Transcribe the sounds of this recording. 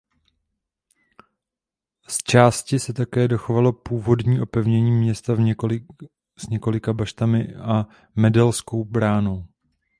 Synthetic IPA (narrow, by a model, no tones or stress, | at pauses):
st͡ʃaːscɪsɛt̪akɛːdo̞xo̞valo̞puːvo̞dɲiːʔo̞pɛvɲɛɲiːmɲɛst̪av | z̥ɲɛko̞lɪkabaʃt̪amɪa | mɛdɛlsko̞wbɾaːno̞w